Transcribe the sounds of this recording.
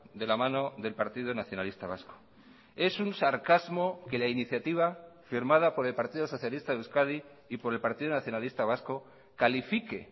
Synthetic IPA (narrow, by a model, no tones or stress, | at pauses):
d̪e̞lamãno̞ðe̞lpaɾt̪ið̞onaθjo̞nalist̪aβ̞asko̥ | e̞sunsaɾkazmo̞ke̞lainiθjat̪iβ̞afiɾmaðapo̞ɾe̞lpaɾt̪iðoso̞θjalist̪aðuskaðiː | po̞ɾe̞lpaɾt̪iðonaθjo̞nalist̪aβ̞asko̞ | kalifike